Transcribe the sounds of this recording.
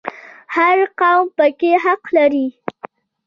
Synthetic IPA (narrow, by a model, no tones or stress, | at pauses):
haɾqawmpəkeɦaqlaɾi